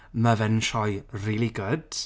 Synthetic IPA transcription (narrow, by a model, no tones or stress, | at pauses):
məvɛnʃɔjriːlˠiɡʊd̥